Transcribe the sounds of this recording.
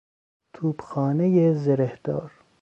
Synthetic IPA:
t̪ʰuːbxɑːnejezeɾehd̪̥ɑːɾ

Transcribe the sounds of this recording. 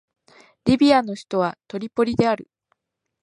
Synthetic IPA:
ɾʲibʲiano̞çi̥t̪o̞β̞at̪o̞ɾʲipo̞ɾʲid̪e̞aɾɯ

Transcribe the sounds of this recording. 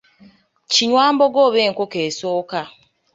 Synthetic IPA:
t͡ʃiɲwam̩boɡoβeŋ̩kʷokesoka

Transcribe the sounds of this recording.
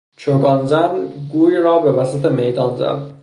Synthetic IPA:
t͡ʃʰoɡɒnzænɡuːjɾɒːbe̞væsæt̪ʰemejd̪ɒːnzæ̰d̪

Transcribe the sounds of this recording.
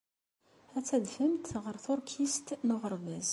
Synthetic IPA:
æt͡sːæðfəmt̪ʁəɾθʊɾkʰist̪nʊʁəɾˤvæz

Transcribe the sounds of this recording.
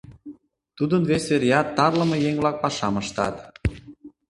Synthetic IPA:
t̪ud̪ənvesveɾjɑt̪ːɑrlə̆mɤ̆jeŋβlɑk̚pɑʃɑməʃt̪ɑ̰t̪

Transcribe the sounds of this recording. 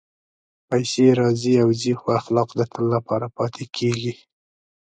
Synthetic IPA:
pajseɾɑziawzixwaaxlɑqd̪ət̪ʰəlːapɑɾapɑt̪ʰekʰeɡi

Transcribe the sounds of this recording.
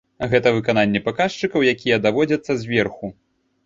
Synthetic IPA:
ɣɛt̪ɐvɨkananʲːɛpakaʂt͡ʂɨkɐwjakʲijɐd̪avɔd͡zʲɐt̪sːɐzʲvʲɛrxu

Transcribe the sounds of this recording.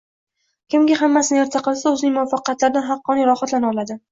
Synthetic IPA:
kʲɪmɡʲaɦamːasɪnɪeɾt̪ʰaqɨlˠsaɵzɪnɪŋmʊafɑqjat̪laɾɪd̪anɦɑqːɒnɪɾɒhat̪lanɒlad̪ɪ

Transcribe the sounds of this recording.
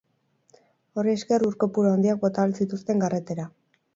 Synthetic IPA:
o̞rie̞ske̞ruɾko̞puɾoaond̪iak̚bo̞t̪aβelsit̪ust̪e̞ŋɡare̞t̪e̞ɾa

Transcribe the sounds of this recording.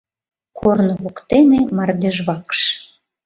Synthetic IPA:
kʰornβokt̪enemɑrd̪ʲeʒβɑkʃ

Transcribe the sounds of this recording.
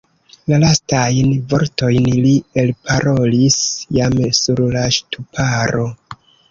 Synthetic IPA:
lalastajnvo̞ɾto̞jnlie̞lpʰaɾo̞lisjamsuɾlaʃtupʰaɾo̞

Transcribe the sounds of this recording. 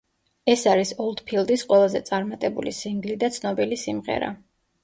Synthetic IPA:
ɛsaɾisɔlˠd̪̥pʰilˠd̪isqʼwɛlˠazɛ̰t̪sʼaɾmat̪ʼɛbṵlisiŋɡlid̪at̪sʰnɔbilisimʁɛ̰ɾa̰

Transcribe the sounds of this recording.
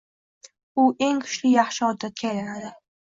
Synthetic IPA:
ʊʔe̞ŋkʰʊ̥ʃlɪjɑχʃɪɒd̪ːat̪̚kʲʰajlanad̪ɪ

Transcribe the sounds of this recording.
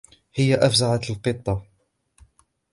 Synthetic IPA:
hɪjːaʔafzaʕat̪lqɨt̪ˤːɑ

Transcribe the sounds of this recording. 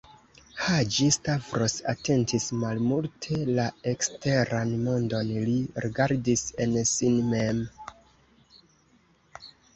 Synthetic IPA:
had͡ʒistavɾo̞sa̰te̞ntʰismalmultʰe̞lae̞kste̞ɾanmondo̞nliɾiɡaɾdise̞nsinmem

